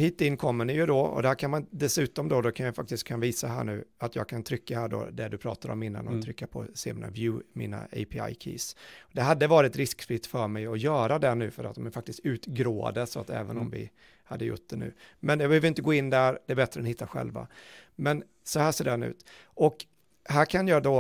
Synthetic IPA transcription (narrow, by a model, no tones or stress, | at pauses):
hiːt̪ɪnːkʰɔmːəɳɪjɵd̪ɔɔ̰d̪ɛhæːɾkʰanmanɪnt̪d̪ɛsʉ̟ːt̪ɔmd̪ɔd̪ɔkʰanjafak̚t̪ɪst̪̚kʰːanviːsaɦæ̰ːɳʉ̟ːat̪jɑ̰ːɡ̚kʰant̪ʰɾʏkːahæːɖo̰d̪ɛd̪ɵpʰɾɑ̰ːt̪aɾɔ̰mɪnːa̰nɔt̪ʰɾʏkːapʰɔ̰sḛːmiːna̰vjʉ̟ːmiːna̰ʔɛ̰ɪpʰɪa̰jkʰḭːsɔd̪ɛɦad̪ːəvɑːɾɪt̪ɾɪskflɪt̪ːfœɾmɛjɔjœːɾad̪ɛɳʉ̟ːfœɾʔa̰t̪̚ːɔmɛfakt̪ɪst̪ʉ̟ːt̪ɡɾoːa̰d̪əsɔa̰t̪ɛ̰ːvənɔmvɪ̰ | had̪ːəjʊ̰ʈ̚ːd̪ɛnʉ̟̰ːmɛnjɑɡbɛhøːvəɾɪnt̪əɡoːɪnːd̪æɾd̪ɛæɾbɛt̪ɾəɛnhɪt̪ːaɧɛ̰lva̰mɛn | sɔhæːʂeːdɛanʉ̟̰ːt̪ | ʔɔk | ɦæːkʰanjɑːd̪o